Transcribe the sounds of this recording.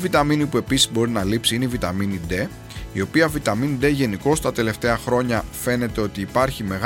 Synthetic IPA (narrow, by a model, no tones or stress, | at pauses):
vit̪ɐminipue̞pisizbo̞ɾinɐlipsiineivit̪ɐminid̪e̞ | io̞piɐvit̪ɐminid̪e̞ʝe̞niko̞st̪ɐt̪e̞le̞ft̪e̞ɐxɾo̞ɲɐfe̞ne̞t̪e̞o̞t̪iːpɐɾçime̞ɣ